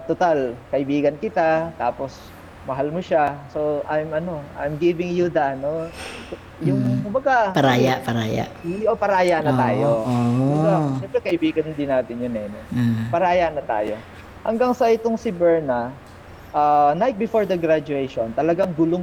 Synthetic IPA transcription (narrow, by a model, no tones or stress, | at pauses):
t̪ot̪alkɐʔɪbiːɡɐnkɪt̪at̪aːpos | mɐɦalmoʃasoʔajmʔɐno̞ʔa̰jmɡivɪŋjud̪ɐno | jʊŋkʊmbɐɡapɐɾaːjapɐɾaːja̰ʔopɐɾaːjanɐt̪aːjooaʃɛmpɾɛkɐʔɪbiːɡɐnd̪ɪnaːt̪ɪnjʊnɛnɛpɐɾaːjanɐt̪a̰ːjo̞̰ | hɐ̰ŋɡaŋsɐɪt̪oŋsɪbɛɹnɐ | ʔanajt̪̚bɪfoɹd̪ɐɡɾad͡ʒʊɛjʃont̪ɐlɐɡaŋɡʊloŋ